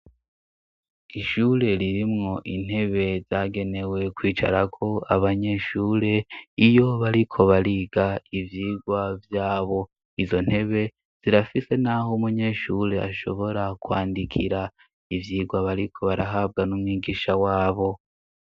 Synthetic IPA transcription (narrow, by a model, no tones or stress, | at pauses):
iʃuːɾe̞ɾiɾimŋo̞ʔin̥he̞βe̞zaːɡe̞ne̞we̞kwiːt͡ʃa̰ɾakʰo̞aβaɲe̞ʃuːɾe̞ijo̞βaɾikʰo̞βaɾiːɡaivjiːɡwavjaːβo̞ | izo̞n̥he̞βe̞ | z̥iɾafise̞naɦoumuɲe̞ʃuːɾe̞a̰ʃo̞βo̞ɾakuwaːndikʰiɾa | ivjiːɡwaβaɾikʰo̞βaɾaɦaːb̚ɡanumŋiːɡiːʃawaːβo̞